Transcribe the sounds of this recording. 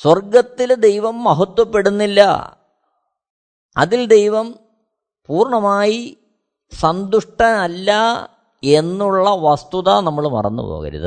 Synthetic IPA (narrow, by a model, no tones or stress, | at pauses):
swɐrɡɐt̪ːild̪e̞jʋɐmːɐɦɐt̪ːwɐpːe̞ɽunːilːɐ̰ | ɐ̰ðild̪e̞jʋɐm | puːrɳɐmaːji | sɐnd̪uʂʈɐnɐlːɐ | e̞nːuɭːɐʋɐst̪uðɐnɐmːɐɭmɐ̰rɐ̰nːṵpo̰ːɣɐ̰ɾṵðɨ̰